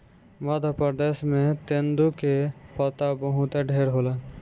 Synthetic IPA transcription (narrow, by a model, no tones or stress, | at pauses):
məd̪ʱəpəɾd̪eːsmẽt̪end̪ukepət̪abəɦũt̪eɖʱeːɾɦola